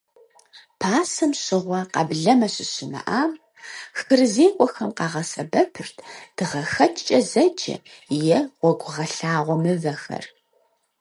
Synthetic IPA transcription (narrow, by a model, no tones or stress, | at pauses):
pʰaːsɨmɕɪʁʷɐqɐ̰bɮɐmɐɕɪɕɪmɐ̰ʔaːm | xɨrɨzeːkʷʼɔxɐmqɑːʁɐsɐbɐpʰɨrtʰd̥ɨʁɐxɐt͡ʃʼt͡ʃʼɐzɐt͡ʃʼɐ̰jɛwʷɔɡʷʊʁɐɬaːʁʷɔmɨvɐxɐ̰r